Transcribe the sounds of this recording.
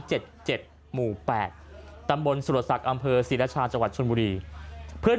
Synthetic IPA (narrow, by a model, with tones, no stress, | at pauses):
t͡ɕe˨˩t̪̚t͡ɕe˨˩t̪̚ | muː˨˩pɛ̰ː˨˩t̪̚ːa˧mbo˧nsu˨˩sa˨˩k̚ʔa˧mpʰɤː˧siː˨˩˦laː˦˥t͡ɕʰaː˧nt͡ɕa˧ŋwa˨˩t̪̚t͡ɕʰo˧nbuː˧ɾiː˧pʰɯ˥˩ə